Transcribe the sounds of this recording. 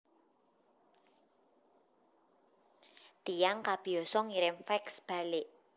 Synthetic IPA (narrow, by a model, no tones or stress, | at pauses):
d̪̥ijaŋkab̥i̤ɔsɔŋiɾɪmfɛksb̥a̤lɪʔ